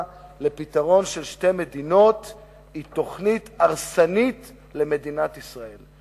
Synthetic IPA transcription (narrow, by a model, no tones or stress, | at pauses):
le̞pit̪aʁo̞nʃelʃte̞me̞d̪ino̞t̪ | it̪o̞χnitaʁsanit | le̞me̞d̪inat̪isʁael